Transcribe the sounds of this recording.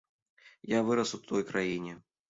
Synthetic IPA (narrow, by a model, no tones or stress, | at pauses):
javɨɾɐsut̪ʰɔjkɾajinʲɛ